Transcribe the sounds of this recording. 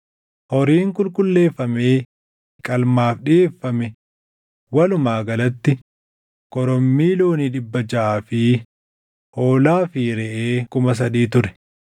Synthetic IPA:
hɔɾiːŋkʊlkʼʊlːe̞ːfːɐmeː | kʼɐlmaːfɗɪeːfːɐmɛ | wɐlʊmaːɡɐlɐt̪ːɪ | kɔɾɔmːiːloːniːᶑɪbːɐd͡ʒɐaːfɪ | ho̞ːlaːfiɾɛʔeːkʊmɐs̬ɐd̪iːt̪ʊɾɛ̥

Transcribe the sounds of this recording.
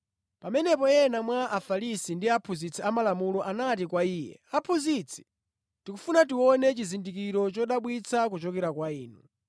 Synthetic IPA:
pamɛnɛpɔɛnamwaʔafaɾisindiapʰuzit͡sʰɛamalamulɔʔanat̬ikwaiːjɛ̰apʰuzit͡sʰɛ̥ | tikufunat̬iwɔnɛt͡ʃizindik̬iɾɔt͡ʃɔɗaɓwit͡sʰakut͡ʃɔkɛɾakwaiːnu

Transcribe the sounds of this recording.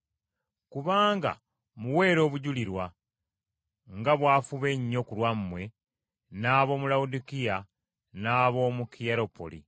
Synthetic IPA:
kuβaːŋɡa̰ | muwe̞ːɾo̞ːβuɟuliɾwa | ŋɡaβwaːfuβe̞ɲːo̞kulwammwe̞ | naːβo̞ːmulaudikija | naːβo̞ːmukijaɾo̞po̰lḭ

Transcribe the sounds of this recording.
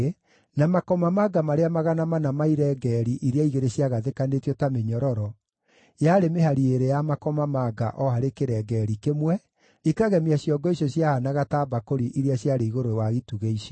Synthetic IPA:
namakɔmamaɡamaɾeamaɣanamanamaiɾɛɡɛɾiʔiɾeaiɣeɾeɕiaɣaðekanetjɔtameɲɔɾɔɾɔ | jaɾemeɦaɾieɾejamakɔmamaɡaʔɔhaɾekeɾɛɡɛɾikemwɛ | ikaɣɛmiaɕjɔɡɔisjɔɕjahanaɣataːbakoɾiʔiɾeaɕjaɾeiɣoɾowaɣituɣeiɕɔ

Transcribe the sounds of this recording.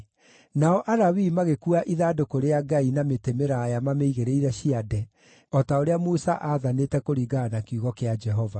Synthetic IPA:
naɔʔaɾawimaɣekuaʔiðaːdokoɾeaɡainametemeɾaːjamameiɣeɾeiɾɛɕiadɛ | ɔtaoɾeamusaʔaðanetɛkoɾiɡaːnakuɣɔkead͡ʒɛɦɔva

